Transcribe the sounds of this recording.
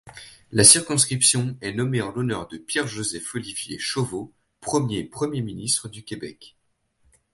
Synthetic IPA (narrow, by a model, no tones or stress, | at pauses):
lasiʁkɔ̃skχipsjɔ̃ɛnɔmeɑ̃lɔnœʁd̪əpjɛʁʒozɛfɔlivjḛʃovo | pχəmjepχəmjeminist̪χəd̪ykʲebɛ̰k